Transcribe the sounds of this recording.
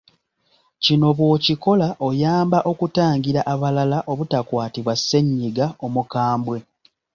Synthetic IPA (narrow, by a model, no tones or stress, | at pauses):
cino̞βwo̞ːciko̞laʔojaːmbaʔo̞kutaːŋɟiɾaʔaβalalaʔo̞βutakwaːtiβwasːe̞ɲːiɡao̞mukaːmbwe̞